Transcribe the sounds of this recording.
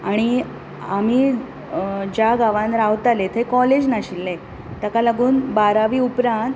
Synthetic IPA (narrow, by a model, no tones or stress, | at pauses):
aɽ̃i | am̤i | d͡ʑjaɡaʋãnɾaʋt̪alet̪ʰekɔled͡ʑnaɕilːe | t̪akaləɡuːnbaɾaʋiːupɾãnt̪